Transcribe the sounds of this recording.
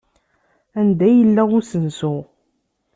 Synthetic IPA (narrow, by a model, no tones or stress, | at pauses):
ænd̪æjəlːæʊsənsʊʁ